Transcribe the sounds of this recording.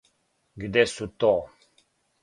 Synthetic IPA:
ɡid̪esut̪ɔ

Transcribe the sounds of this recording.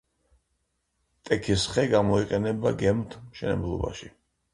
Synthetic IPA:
t̪ʼɛkʰisχɛɡamɔiqʼɛnɛbaɡɛmt̪ʰmʃɛnɛ̰blˠɔ̰ba̰ʃi

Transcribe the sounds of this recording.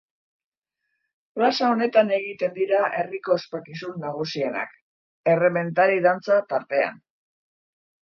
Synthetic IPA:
prasao̞ne̞t̪ane̞ɣit̪e̞nd̪iɾaʔe̞riko̞espakisunːaɣ̞usie̞na̰k | e̞re̞me̞nt̪aɾiðant͡sat̪aɾt̪e̞a̰n

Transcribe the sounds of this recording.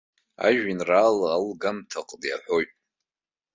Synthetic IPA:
a̰ʒᶣɪnraːlaːlɡamtʰaqʼlja̰ħʷo̞jtʼ

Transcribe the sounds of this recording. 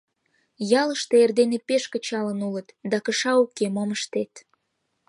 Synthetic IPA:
jɑləʃt̪eerd̪enepeʃkət͡ɕɑlənulət̪d̪ɑkəʃɑukemoməʃt̪et̪

